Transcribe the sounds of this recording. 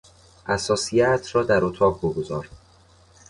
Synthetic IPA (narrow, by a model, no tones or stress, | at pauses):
ʔæsɒːsijæt̪ʰɾɒːd̪æɾot̪ʰɒːbboɡozɒːɾ